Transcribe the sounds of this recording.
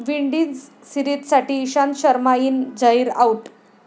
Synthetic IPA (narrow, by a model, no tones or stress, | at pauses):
ʋiɳɖid͡z | siɾit̪saʈiːɕanɕəɾmajiːnd͡zaiːɾauʈ